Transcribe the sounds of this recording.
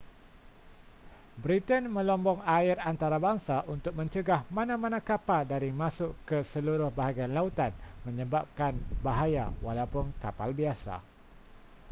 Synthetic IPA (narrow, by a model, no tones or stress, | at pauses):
bɾit̪ənmə̃lɔmbɔŋaɪɾant̪aɾabaŋsaʔunt̪ʊk̚mə̃ɲt͡ʃəɡahmãnãmãnãkapaldaɾimãsʊʔkəsəluɾʊhbaɦaɡianlaut̪anmə̃ɲəbap̚kanbaɦaja̰walaupʊnkapalbiasa̰